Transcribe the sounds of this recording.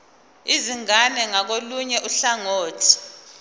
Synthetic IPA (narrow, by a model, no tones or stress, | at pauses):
iziŋanɛŋak̬oluɲɛʔuɬaŋoːtʰi̥